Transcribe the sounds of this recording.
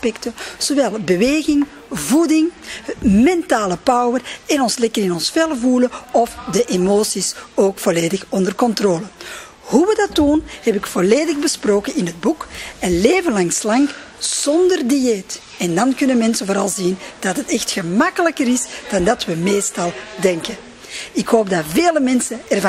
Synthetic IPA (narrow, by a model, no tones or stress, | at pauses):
spɛktəz̥oʋɛlˠbəʋeːɣɪŋ | vudɪŋ | mɛntaːləpɑwwərɛnɔnslɛkərɪnɔnsfɛlˠvuləɔfdəʔemoːsisoːkfoleːdəxɔndərkɔntroːlə | huʋədɑtunhɛpɪkfoleːdəɣbəsproːkənɪnɦəd̚bukɛnleːvənlɑŋslɑŋ | z̥ɔndərdiɛt | ɛndɑnkʏnənmɛnsənvoːɾɑlˠzind̥ɑtɦətɛxtxəmɑkələkəɾɪsd̥ɑndɑtʋəmeːstɑlˠdɛŋkə | ɪkɦoːb̚daveːləmɛnsənɛrv